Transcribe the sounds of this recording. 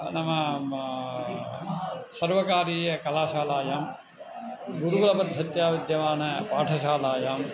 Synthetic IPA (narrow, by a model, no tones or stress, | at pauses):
nɐmɐ | sɐɾʋɐkaːɾiːjɐkɐlaːʃaːlaːjaːm | ɡuɾuɡɐlɐpɐd̪ʱːɐt̪jaːʋid̪jɐʋaːnɐpaːʈʰɐʃaːlaːjaːm